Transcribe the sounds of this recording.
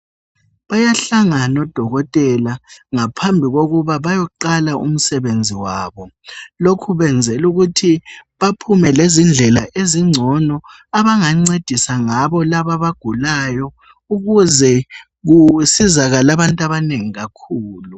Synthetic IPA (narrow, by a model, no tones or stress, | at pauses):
βajaɬaŋanɔd̥ʱɔɣɔtʼɛlaŋapʰambʱiɣoɣuβaβajɔǃalaʔṵm̩sɛβend͡zʱiwaːβɔlokʰuβɛnd͡zʱɛluɣutʰiβapʰumɛlezind͡ɮʱɛlaʔeziŋ͡ǀʱɔnɔ | aβaŋaŋ͡ǀed̥ʱisaŋaβɔlaβaβaɡ̥ʱulajɔ | uɣuzɛ | ɣusizaɣalaβantʼaβaneŋiɣakʰuːlu